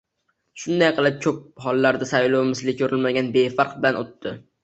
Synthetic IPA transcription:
ʃʊnd̪ajqʰɨlˠɪp̚kʲʰɵp̚hɒlˠːaɾd̪asajlowmɪslɪkʰɵɾɪlmaɡʲanbefaɾq̚bɪlanot̪ːɪ

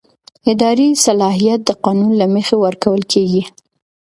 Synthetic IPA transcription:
ɪd̪ɑɾisalɑɦijat̪̚d̪əqɑnunlamexewəɾkawəlkʰeɡi

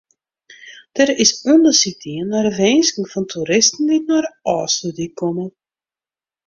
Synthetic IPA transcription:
d̥əɾɪsɔndəsitiənːarəʋeːnskŋ̩fɔntʰuɾɪstn̩dinarɔːsədikɔmə

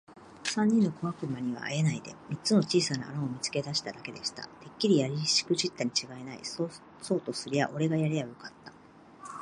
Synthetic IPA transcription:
sãɲ̟ːĩnːo̞ko̞βakɯ̟maɲ̟iβa̰ːje̞naid̪e̞̰mʲit͡st͡sɨno̞t͡ɕiːsana̰ːɾãomʲit͡sɨ̥ke̞d̪aɕi̥t̪ad̪ake̞d̪e̞ɕi̥t̪a̰t̪e̞kʲːiɾʲijaɾʲiɕi̥kɯ̟ʑit̪ːaɲ̟it͡ɕiɡae̞naḭ | so̞ːt̪o̞sɨɾʲija̰ʔo̞ɾe̞ɡajaɾʲejajo̞kat̪ːḁ

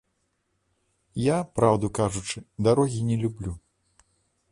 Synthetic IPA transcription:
japɾawd̪ukaʐut͡ʂɨd̪aɾɔɣʲinʲɛlʲublʲu

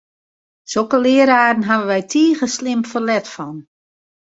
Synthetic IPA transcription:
sokəlɪəɾaːdn̩ɦaʋəʋɛjtʰiːɣəslɪmfərlɛtfɔn

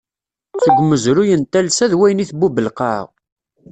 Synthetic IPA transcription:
t͡səɡʷːməzɾujənt̪ːælsæðwæjniθbubəlqɑ̰ʁ

